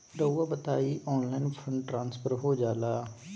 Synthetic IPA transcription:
ɾəaːbət̪aːiːʔɔːnlaːɪnpʰə̃ɳɖʈɾãːnspʰəɾɦoːd͡ʒaːlaː

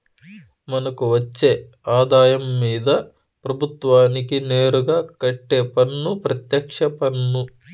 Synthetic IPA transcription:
mɐnɐkuʋɐt͡ʃːe̞ː | aːd̪aːjɐmːiːd̪ɐ | pɾɐbʱut̪ʋaːnikineːɾuɡaːkɐʈːeːpɐnːupɾɐt̪jɐkʂɐpɐnːu

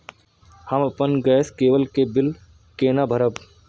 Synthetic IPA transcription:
hɐmɐpənɡɛːskeːʋəlkebɪl | keːnabʱəɾəb

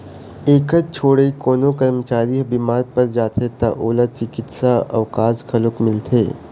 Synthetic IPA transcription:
eːkət̪̚t͡ʃʰoːɽeikoːnokɐɾmət͡ʃaːɾibɪmaːɾpəɾd͡ʒaːt̪ʰet̪a̰ʔoːlat͡ʃɪkɪt̪saɐ̰ʋkaːskʰɐlʊkmɪlt̪ʰḛː

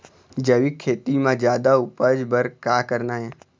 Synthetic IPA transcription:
d͡ʒəʋikʰeːt̪imãd͡ʒjaːd̪aupəd͡ʒbəɾkakəɾnaɦẽ

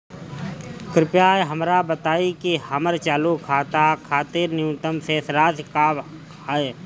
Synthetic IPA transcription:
kɾɪpjaːeɦəmɾabət̪aːikihəməɾt͡ʃaːlukʰaːt̪akʰaːt̪ɪɾnɪũt̪əmseːsɾaːskaː | aːe

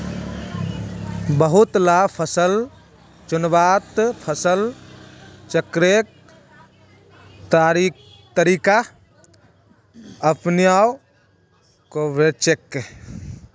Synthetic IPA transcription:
bəɦut̪lapʰəsəl | t͡ʃunbat̪pʰəsəl | t͡ʃəkɾek̚ | t̪aɾ | t̪əɾika | əpnjao | koʋet͡ʃekːe

